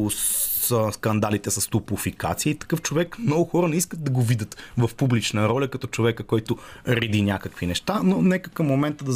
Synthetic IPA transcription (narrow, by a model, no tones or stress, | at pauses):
səskɐnd̪alit̪ɛsɐst̪ʊpʊfika̰t̪siəit̪ɐ̥kɤft͡ʃovɛkmnɔɡʊxɔɾənɛiskət̪̚d̪ɐɡovid̪ət̪vɐfpublit͡ʃnəɾɔlʲɐkɐt̪ɔt͡ʃovɛkəkɔjt̪ʊɾɛd̪inʲakəkvinɛʃt̪anonɛkəkəmːomɛnt̪əd̪ɐ